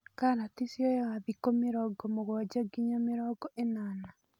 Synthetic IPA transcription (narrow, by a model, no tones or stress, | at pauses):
kaɾatisjɔjɛwaβikomeɾɔɡɔmoɣɔd͡ʒaɡiɲɔmeɾɔɡɔʔenana